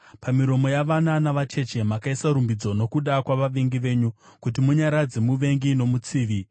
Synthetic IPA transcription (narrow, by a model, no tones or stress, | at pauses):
pamiɾo̞mo̞jaʋananaʋat͡ʃe̞t͡ʃe̞makaisaɾumbid͡zo̞no̞kuɗakwaʋaʋiŋɡiʋe̞ːɲukut̬imuɲaɾad͡ze̞muʋe̞ŋɡino̞mut͡siːʋi